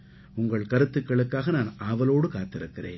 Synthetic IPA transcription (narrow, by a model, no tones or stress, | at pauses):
ʊŋɡɐɭkɐɾɯt̪ːɯkːɐɭɯkːaːɣɐnaːnʔɐʋɐloːɽɯkaːt̪ːɪɾɯkːɪrḛːn